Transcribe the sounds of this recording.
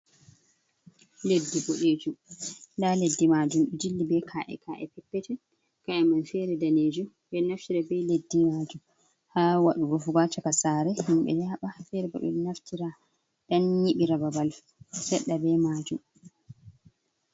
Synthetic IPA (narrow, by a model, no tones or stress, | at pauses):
ledːiboɗeːd͡ʒundaledːimad͡ʒumɗud͡ʒilːibɛkʰaʔɛ̰kaʔɛ̰pɛpːɛtɛ | kaɛmanfɛɾɛdaned͡ʒum | bɛnaftiɾabɛledːimaːd͡ʒum | hawaɗuɡofuɡat͡ʃakasaːɾɛhimɓɛ̰naɓafɛɾɛba̰ɓɛ̰lnaftiɾa | ɗanɲiɓiɾababal | sɛɗːabɛmaːd͡ʒum